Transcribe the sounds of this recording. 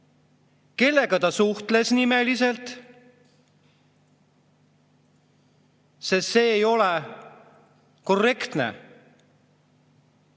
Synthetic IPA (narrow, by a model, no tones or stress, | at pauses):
ke̞lːe̞ɡɑt̪ɑsuht̪le̞snime̞lise̞lt̪ˑ | sest̪se̞ːjo̞le | ko̞rːe̞kt̪nḛ